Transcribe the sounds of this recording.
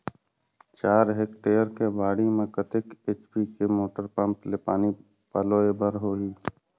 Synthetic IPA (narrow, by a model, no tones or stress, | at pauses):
t͡ʃaːɾɦeːkʈeːəɾkebʱaːɽimẽkət̪ɪkeːt͡ʃpikemoːʈəɾpə̃mplepaːni | paloːebəɾɦoːliː